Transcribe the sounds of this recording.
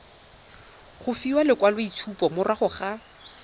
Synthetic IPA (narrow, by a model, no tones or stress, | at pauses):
χʊfiwalɪkwalwoitʰupɔmʊraχʊχa